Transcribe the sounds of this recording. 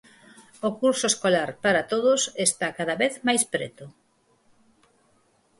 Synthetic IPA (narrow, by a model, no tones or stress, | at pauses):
okuɾsoeskolaɾpaɾat̪oðʊsest̪akaðɐβeθmajspɾḛt̪ʊ